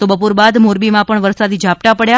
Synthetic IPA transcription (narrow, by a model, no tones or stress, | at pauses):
t̪obəpoɾbad̪moɾbimãpəɳʋəɾsad̪id͡ʒap̚t̪apəɽja